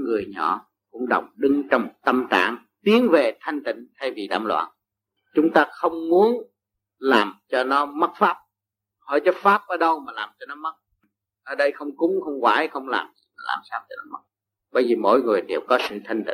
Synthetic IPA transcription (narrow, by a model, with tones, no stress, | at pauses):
ŋɨ˨˩əjɲɔ̰˧˨ | kʊ̰˧˥ŋ͡mɗə̰˨˩wŋ͡mɗɨ˧ŋt͡ɕɔ˧wŋ͡mt̪ə˧mt̪a̰ː˧˨ŋ | t̪i˨˦ənve˨˩t̪ʰa˧jŋ̟t̪ḭ̈˧˨ŋ̟t̪ʰa˧jvi˨˩ɗa̰ː˧˩mlwa̰ː˧˨n | t͡ɕʊ˨˦ŋ͡mt̪aː˧xə˧wŋ͡mmu˨˦ən | laː˨˩mt͡ɕɔ˧nɔ˨˦mə˦˥t̚faː˦˥p̚ | hə̰˧˨˩jt͡ɕɔ˨˦faː˦˥p̚ʔəː˨˦ɗə˧wmaː˨˩laː˨˩mt͡ɕɔ˧nɔ˨˦mə˦˥t̚ | ʔəː˨˩ɗə˧jxə˧wŋ͡mkʊ˨˦˥ŋ͡mxə˧wŋ͡mkwa̰ː˧˩jxə˧wŋ͡mla̰ː˨˩mzi˨˩maː˨˩la̰ː˨˩msaː˧wt̪ʰi˨˧˩nɔ˨˦mə˦˥k̚ | ɓə˧jzi˨˩mo̰˧˨jŋɨ˨˩əjɗe˨˩wkɔ˨˦sɨ̰˧˨t̪ʰa˧jŋ̟t̪ḭ˧˩˨